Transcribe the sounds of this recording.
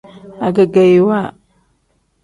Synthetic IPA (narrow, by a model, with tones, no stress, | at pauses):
a˨ɡa˨ɡa˨ji˦wa˦˨